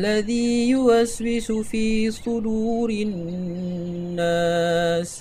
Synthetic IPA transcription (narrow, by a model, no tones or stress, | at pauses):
lːaðiːjʊʔasbɪsʊfiːsˤʊd̪uːɾɪ | aːs